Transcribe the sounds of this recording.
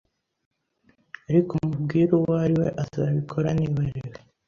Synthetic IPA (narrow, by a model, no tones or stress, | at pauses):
aɾikomubɡiːɾowaɾiwe̞ʔazaβikʰo̞ɾaniβaɾewe